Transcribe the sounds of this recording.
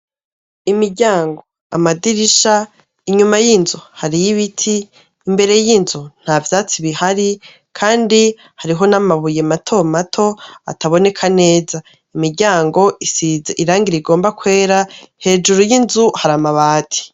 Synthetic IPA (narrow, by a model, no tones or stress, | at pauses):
imiɾɟaːŋɡo̞ | a̰madiɾiʃa | iɲumajinzuhaɾijiβitʰiː | mbe̞ɾe̞jinzun̥havjaːt͡siβihaɾi | kʰaːndi | haɾiɦo̞namaβuje̞matʰo̞matʰo̞a̰taβo̞ne̞kʰane̞ːza | imiɾɟaːŋɡo̞isizeʔiɾaːŋɡiɾeiɡo̞ːmbakwe̞ːɾahe̞ːd͡ʒuɾujinzuhaɾamaβaːtʰi̥